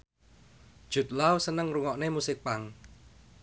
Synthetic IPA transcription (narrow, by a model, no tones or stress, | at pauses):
d̥ʒ̥ṳt̪̚lawsənəŋruŋɔʔnemusɪk̚paŋ